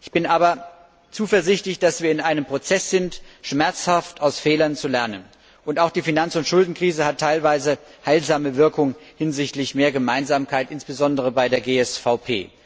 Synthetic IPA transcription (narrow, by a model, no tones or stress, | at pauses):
ʔɪçb̥ɪnʔaːbɐ | t͡suːfɛɐzɪçtlɪçd̥asv̥iːɐɪnʔaɪnəmpʁ̥ot͡sɛsz̥ɪntʃmɛɐt͡shaftaʊsfɛːlɐnt͡sulɛɐnən | ʔʊntaʊxd̥iːfinant͡sʊntʃʊldn̩kʁ̥iːzəhatʰːaɪlvaɪzəhaɪlzaːməvɪɐkʊŋhɪnzɪçtlɪçmeːɐɡəmaɪnzaːmkʰaɪtʔɪnsb̥əzɔndəʁ̞əbaɪdeːɐɡeːɛsfaʊpʰḛː